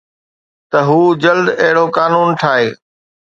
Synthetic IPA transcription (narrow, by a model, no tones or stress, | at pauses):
t̪ɐɦuːd͡ʑɐld̪ɐɦɪɽokaːnuːnʈʰaːɦeː